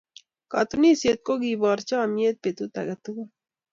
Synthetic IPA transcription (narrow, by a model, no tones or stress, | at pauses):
kɑt̪uniset̪̚koɡibɑːɾt͡ʃɑmiet̪̚pet̪ut̪a̰ɡat̪uɡa